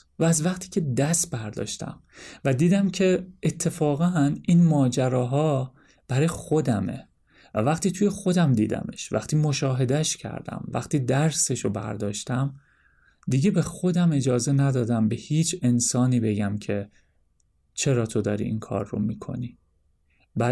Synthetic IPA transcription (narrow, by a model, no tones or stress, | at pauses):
væːzvæχt̪ʰiːcʰe̞d̪æst̪̚bæɾd̪ɒ̰ːʃt̪æ̰mvæd̪iːd̪æmcʰe̞et̪ʰːefɒːɣænʔinmɒːd͡ʒæɾɒːɦɒː | b̥æɾɒːjexo̞d̪æmḛ | væ̰væχt̪iːt̪ʰuːje̞xo̞d̪æmd̪ḭːd̪æ̰me̞̰ʃvæ̰χt̪ʰiːmo̞ʃɒːɦe̞d̪æʃcʰæ̰ɾd̪æ̰mvæ̰xt̪iːd̪æɾse̞ʃobæ̰ɾd̪ɒːʃt̪ʰæm | d̪iɟe̞be̞xo̞d̪æme̞d͡ʒɒːzenæd̪ɒːd̪æmbe̞hiːt͡ʃʰe̞nsɒːniːbe̞ɟæmcʰe̞ | t͡ʃʰe̞ɾɒːt̪ʰo̞d̪ɒ̰ːɾḭːiŋnkʰɒ̰ːɾːo̰mikʰo̞̰niː | bæ